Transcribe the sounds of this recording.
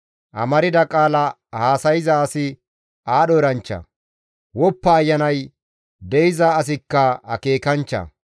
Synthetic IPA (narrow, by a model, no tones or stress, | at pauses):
ʔɐ̰mɐɾɪd̪ɐkʼaːlɐ | haːsɐjɪzɐːsɪ | aːɗɔɾɐnt͡ʃːɐ̰ | wɔpːɐːjːɐnɐj | d̪ɛɪzɐːs̬ɪkːɐɐ̰ke̞ːkɐnt͡ʃːɐ̰